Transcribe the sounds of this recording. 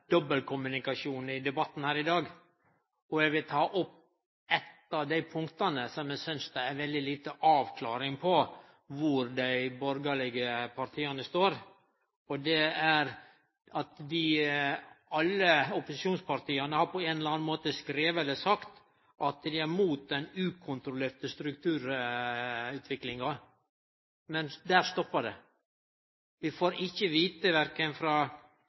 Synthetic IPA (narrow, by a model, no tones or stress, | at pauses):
d̪̥ɔbəlkʰʊmʉnɪkɑʃuːnɪd̪ɛbɑt̪ːn̩hæːɾɪd̪ɑːɡ | ɔɛɡʋɪlt̪ʰɑːʔɔp̚ː | ɛt̪ːɑʋd̪æɪpʰʊŋkt̪ɑnəsɔmjæsʏnsd̪ɛæɾʋɛld̪ɪliːt̪əʔɑːʋkʰlɑ̰ːɾɪŋpʰɔ | ʋʊɾd̪æɪbɔɾɡɑlɪɡəpʰɑɾt̪ʰiːɑnəst̪oːɾ | ɔd̪ɛæɾ | ɑt̪d̪ɪ | ɑlːəɔpʊsɪʃuːnspɑɾt̪ʰiːɑnəhɑɾpʰɔeːnɛlɑnmoːt̪əskɾeːʋəɛləsɑkt̪ | ʔɑt̪d̪ɪæɾmuːt̪̚d̪ɛnʉːkʰʊnt̪ɾʊleːɾt̪əst̪ɾʉkt̪ʰʉːɾ | ʉːt̪ʰʋɪklɪŋɑ | mɛnd̪æːɾst̪ɔpːəɖɛ̰ | ʋɪfoːɾɪçːəʋiːt̪əʋæɾkənfɾɑː